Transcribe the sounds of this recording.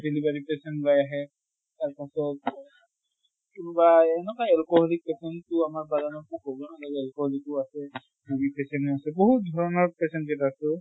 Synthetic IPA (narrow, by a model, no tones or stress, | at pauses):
delibaɹipɛsɛnlajaɦɛ | taɹpasɔt̚ | kunubaɛnɛkaɛlkɔɦɔlik̚pɛsɛntʊamaɹbadanɔkukɦobɔnalɔɡɛlkɔhɔlik̚ʊasɛ | dubipɛsɛnuasɛboɦut̚dʱɔɹɔnɔɹpɛsɛntzɛtasʊ